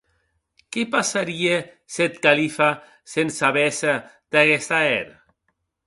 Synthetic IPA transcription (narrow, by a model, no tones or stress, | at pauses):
kepasaɾie | set̪̚kalifa | sensaβesad̪̥aɣɛst̪aeɾa